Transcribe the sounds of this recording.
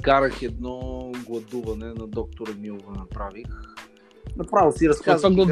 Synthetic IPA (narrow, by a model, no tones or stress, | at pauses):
kaɾəxɛd̪nɔɡlˠɐd̪uvɐnɛnɐd̪ɔk̚t̪ʊɾəmiʊvɛnɐpɾavix | nɐpɾavɛsiɾɐskazaɡɐ